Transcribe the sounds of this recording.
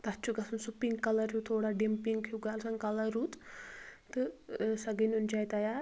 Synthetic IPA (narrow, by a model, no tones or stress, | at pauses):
t̪ɐt͡ʃʰuɡɐsunsupiŋɡkɐlɐɾjut̪ʰoːɽaɖempiŋɡkʰjuɡalsɐŋkɐlɐɾuːt̪ | t̪ɨsɐɡənund͡ʒaːjt̪ajaː